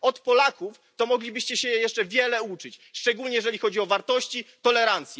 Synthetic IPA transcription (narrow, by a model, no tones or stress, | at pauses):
ɔt̪pɔlakuf | t̪ɔmɔɡlʲibɘɕt͡ɕɛɕɛjjɛʂt͡ʂɛvʲjɛlɛut͡ʂɘt͡ɕʂt͡ʂɛɡulɲɛjɛʐɛlʲixɔd͡ʑiɔvaɾt̪ɔɕt͡ɕit̪ɔlɛɾant̪sʲjɛ